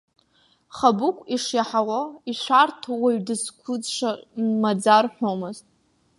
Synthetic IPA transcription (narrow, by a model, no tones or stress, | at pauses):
χabʊkʷʼiʂjaħawaiʃʷartʰowaɥdɨskʷʰʊd͡zʂamad͡zarħʷomɨztʼ